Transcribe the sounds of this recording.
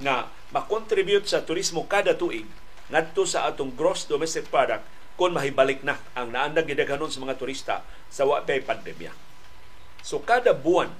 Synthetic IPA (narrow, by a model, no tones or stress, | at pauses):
na | makɔnt̪ɾibiut̪̚sat̪uɾismokadat̪uʔiŋ | ŋat̪ːusaʔːt̪ʊŋɡɾɔsdomɛst̪ik̚padak̚ː | ʊnmaɦibalik̚nahaŋnaːndaɡidɛkanʊnsəmaŋat̪uɾist̪a̰ | sawaʔpeaipandɛmḭa̰ | sokadabuan